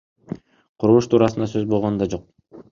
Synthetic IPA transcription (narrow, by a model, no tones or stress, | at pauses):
qʰuɾulˠuʃt̪ʰuːɾɑsɯnd̪ɑsøzbolˠʁonund̪ɑd͡ʒo̞q̚